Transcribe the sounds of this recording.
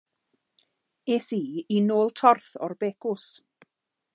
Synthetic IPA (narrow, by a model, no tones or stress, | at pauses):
eːsiːinoːlˠtʰɔrθɔrbeːkʊs